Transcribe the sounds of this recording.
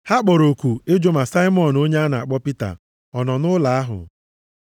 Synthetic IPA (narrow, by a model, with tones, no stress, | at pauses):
ha˦k͡pɔ˨ɾo˨ku˨e˦d͡ʒo˦ma˨sa˦ɪ˦mɔ˦˨no˦ɲe˦a˦na˨a̰˨k͡pɔ˦pi˦ta̰˨ | ɔ˨nɔ˨nʊ˦la˨a˦ɦʊ̰˨